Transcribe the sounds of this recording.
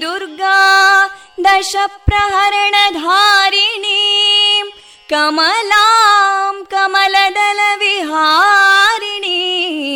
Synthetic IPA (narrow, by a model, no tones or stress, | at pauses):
d̪uɾɡa | d̪ɐʃɐpɾɐɦɐɾɐɳɐd̪ʱaːɾini | kɐmɐlaːmkɐmɐlɐd̪ɐlɐʋiɦaːɾini